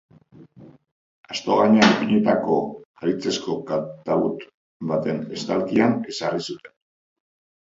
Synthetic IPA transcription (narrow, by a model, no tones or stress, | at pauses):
ast̪o̞ɣaɲeapiɲet̪ako̞aɾit͡se̞sko̞kat̪aβut̪ | bat̪e̞ne̞st̪alkiane̞sarisut̪e̞n